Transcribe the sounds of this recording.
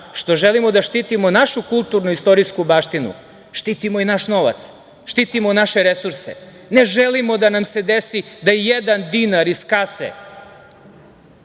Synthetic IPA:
ʃt̪o̞ʒelimo̞d̪aʃt̪iːt̪imo̞naʃukulˠt̪uɾnuist̪o̞ɾijskubaʃt̪inṵ | ʃt̪iːt̪imoinaʃno̞ʋa̰t̪s | ʃt̪iːt̪imo̞naʃe̞ɾesuɾsḛ | neʒelimo̞d̪anamse̞d̪esid̪ajijed̪and̪inaɾiskasḛ

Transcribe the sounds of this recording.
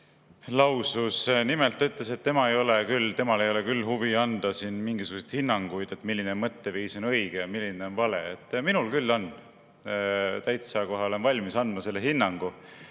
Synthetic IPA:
lɑwsusnimelt̪ːɑyt̪ːˑleset̪ːe̞mɑejo̞lekylt̪e̞mɑle̞jo̞le̞kylːhuviɑnd̪̥ɑsinmiŋɡ̥isuɡ̥uset̪hinːɑŋɡ̥ujd̪̥e̞t̪milːineonmɤt̪ːe̞viːso̞nɤjɡ̥ejɑmilʲːineo̞nvɑle̞̰et̪ːˑminulkylːo̞n | t̪æjt̪sɑkoɦeole̞nvɑlʲmisɑnd̪̥mɑse̞lːe̞ɦinːɑŋɡ̥u

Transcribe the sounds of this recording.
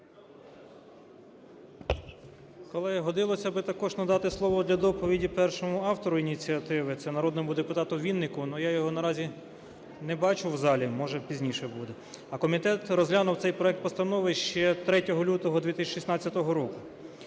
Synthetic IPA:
kɔlˠɪɦɔd̪ɪlˠɔsʲɐbɪt̪ɐkɔʒnɐd̪ɑt̪ɪslˠɔʋɔd̪lʲɐd̪ɔpɔʋʲidʲipɛrʃɔmʊɑwt̪ɔɾʊinʲit͡sʲiɐt̪ɪʋɪt̪sɛnɐɾɔd̪nɔmʊd̪epʊt̪ɑt̪ʊʋʲinːɪkʊnujajɔɦɔnɐɾɑzʲi | nɛbɑt͡ʃʊwzɑlʲimɔʒɛpʲizʲnʲiʃɛbud̪ɛ | ɐkɔmʲit̪ɛt̪rɔzɦlʲanʊwt̪sɛjpɾɔɛk̚t̪̚pɔst̪ɐnɔʋɪʃt͡ʃɛt̪ɾɛtʲɔɦɔlʲut̪ɔɦɔd̪ʲʋʲit̪ɪsʃisnɑt͡sʲːɐt̪ɔɦɔɾɔkʊ

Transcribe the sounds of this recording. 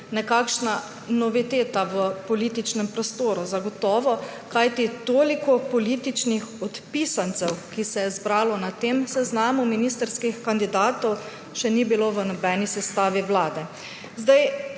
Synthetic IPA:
nɛkaːkʃna | nɔʋit̪eːt̪aʋəpɔlit̪it͡ʃnɛmpɾɔst̪oːɾuzaɡɔt̪ɔːʋɔ | kajt̪it̪oːlikɔpɔliːt̪it͡ʃnixɔt̪piːsant̪sɛwkisɛjɛzbɾaːlɔnat̪eːmsɛznaːmuminiːst̪əɾskixkand̪id̪aːt̪ɔw | ʃɛnibiloʋənɔbɛːnisɛst̪aːʋiʋlaːd̪ɛ | zd̪aj

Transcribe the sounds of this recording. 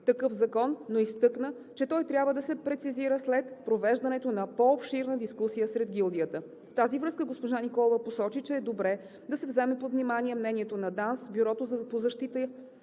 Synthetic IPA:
t̪ɐkɤfzɐkɔnːoist̪ɤknə | t͡ʃɛt̪ɔjt̪ɾʲjabvəd̪ɐsɛpɾɛt̪siziɾəslɛt̪pɾovɛʒd̪ɐnɛt̪onɐpoːpʃiɾnəd̪iskusijəsɾɛd̪ɡʲilˠd̪ijət̪ə | ft̪azivɾɤskəɡospoʒanikɔlˠovəposɔt͡ʃit͡ʃɛːd̪obɾɛ | d̪ɐsɛvzɛmɛpot̪vnimaniɛmnɛniɛt̪onɐd̪ansbʲyɾɔt̪ozpozɐʃt̪it̪əj

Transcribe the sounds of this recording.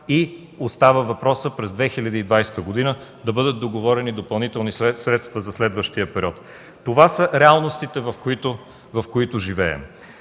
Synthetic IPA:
i | ost̪avəvɐpɾɔsəpɾɛzd̪vɛxilʲɐd̪iːd̪vajsɛ̥t̪əɡod̪inəd̪ɐbɤd̪ət̪̚d̪oɡovɔɾɛnid̪opɐlˠnit̪ɛlˠnisɾɛt̪st̪vəzɐslɛd̪vəʃt̪iəpɛɾiɔt̪ː | ovasəɾɛalˠnost̪it̪ɛvɐfkit̪o | vɐfkoit̪ʊʒivɛɛ̰m

